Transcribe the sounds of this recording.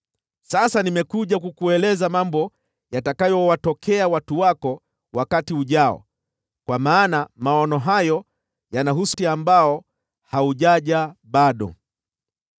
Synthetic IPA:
sasanimɛkuʄakukuɛlɛzamambɔ | jatakajɔwatɔkʰɛawatuwakɔ | wakatiuʄaɔ̰ | kwamaːnamaɔnɔɦajɔ | janaɦusiambaɔ | hauʄaʄaɓaɗɔ̰

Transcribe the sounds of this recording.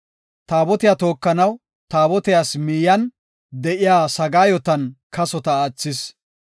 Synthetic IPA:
t̪aːbɔt̪ɪjat̪o̞ːkːɐnɐw | t̪aːbɔt̪ɪjaːsmiːjɐn | d̪ɛʔɪjaːsɐɡaːjɔt̪ɐnkɐsɔt̪ɐːt͡sːɪs

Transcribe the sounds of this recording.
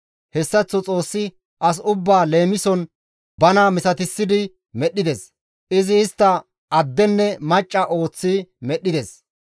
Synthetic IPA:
hɛsːɐt͡sːɔt͡sʼo̞ːsːɪ | ʔɐs̬ʊbːaːle̞ːmɪsɔn | bɐnamɪsɐt̪ɪsːɪd̪ɪ | mɛɗːɪd̪ɛs | ʔɪzɪːst̪ːɐ | ʔɐd̪ːɛnːɛmɐt͡ʃʼːɐʔo̞ːt͡sːimɛɗːɪd̪ɛs

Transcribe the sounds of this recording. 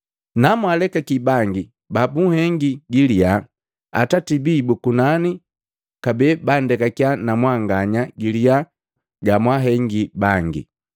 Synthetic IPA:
namwalɛkakibaŋɡi | babuhɛŋɡiɡilia | a̰tatibibukunani | kabɛbandɛkakjanamwaŋɡaɲaɡilija | ɡamwaɦɛŋɡibaŋɡḭ

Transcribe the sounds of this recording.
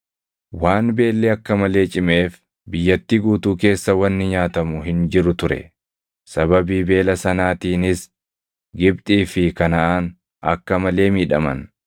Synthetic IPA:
waːnbe̞ːlːɛɐkːɐmɐle̞ːt͡ʃʼɪme̞ːf | bɪjːɐt̪ːiːɡuːt̪uːke̞ːsːɐwɐnːɪɲaːt̪ɐmʊɦɪnd͡ʒɪɾʊt̪ʊɾɛ̰ | sɐbɐbiːbe̞ːlɐsɐnaːt̪iːnɪs | ɡɪb̚t̪ʼiːfɪkɐnɐʔaːn | ɐ̰kːɐmɐle̞ːmiːᶑɐmɐ̰n

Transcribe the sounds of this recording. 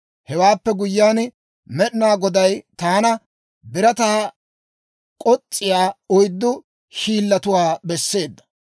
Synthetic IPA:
hɛwaːpːɛɡʊjːaːn | mɛɗɪnaːɡɔd̪ɐjt̪aːnɐ | bɪɾɐt̪aː | kʼɔt͡sʼːɪjaːɔjd̪ːʊ | ʃiːlːɐt̪ʊwaːbɛsːe̞ːd̪ːɐ̥

